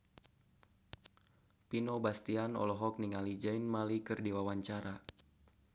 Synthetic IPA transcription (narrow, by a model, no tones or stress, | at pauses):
pinɔbast̪ianɔ̰lɔɦɔk̚niŋalid͡ʒainmalikɨrdiwawaɲt͡ʃaɾa